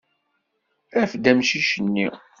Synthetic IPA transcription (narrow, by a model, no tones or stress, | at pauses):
æfd̪æmʃiʃənːi